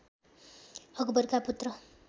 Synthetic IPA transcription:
hʌɡbʌrkaput̪rʌ

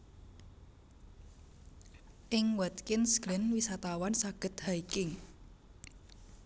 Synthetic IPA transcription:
ʔɪŋwət̪̚kɪnsɡ̥ɾɪnwisat̪awansaɡ̥ə̤t̪̚haikɪŋ

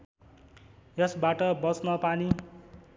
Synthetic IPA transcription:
jʌsbaʈʌbʌt͡snʌpani

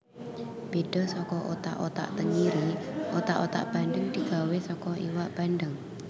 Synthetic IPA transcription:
b̥ed̥ɔ̤sɔkɔʔot̪a̰ʔot̪a̰ʔt̪əŋiɾiʔot̪a̰ʔot̪a̰ʔb̥a̤ndəŋd̪̥i̤ɡ̥a̤wesɔkɔḭwaʔb̥anɖəŋ

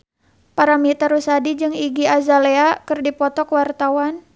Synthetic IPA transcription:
paɾamit̪əɾusadid͡ʒɨŋiɡiazaleakɨrdipɔt̪ɔkwart̪awan

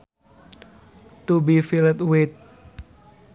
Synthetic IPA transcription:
t̪ubifilət̪̚wɪt̪̚

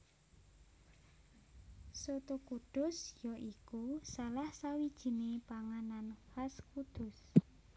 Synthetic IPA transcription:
sot̪ukud̪̥ʊsjɔʔikusalahsawid̥ʒ̥i̤nepaŋananhaskud̪̥ʊs

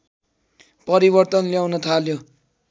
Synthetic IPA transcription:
pʌɾibʌrt̪ʌnljawnʌt̪ʰaljo

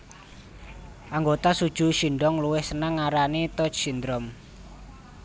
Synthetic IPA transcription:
ʔaŋɡot̪asud̥ʒ̥ṳʃiɳɖɔŋluwɪhsənaŋːaɾanit̪ɔt͡ʃsind̪ɾɔm

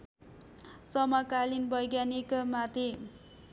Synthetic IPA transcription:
sʌmakalinbʌjɡjanikamat̪e

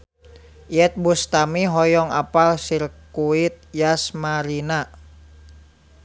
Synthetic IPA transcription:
ʔiɛt̪̚bust̪amiɦɔjɔŋa̰palsirkuit̪̚jasmaɾina

